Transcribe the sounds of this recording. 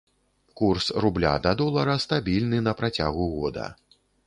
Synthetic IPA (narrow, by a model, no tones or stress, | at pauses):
kursrublʲa̰d̪ɐd̪ɔlˠɐɾɐst̪abʲilʲnɨnɐpɾat͡sʲa̰ɣuɣɔd̪ɐ̰